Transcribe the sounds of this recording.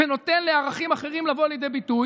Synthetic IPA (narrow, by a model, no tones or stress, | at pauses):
eno̞t̪e̞nleaʁaχimaχe̞ʁimlavo̞aljed̪ejbituj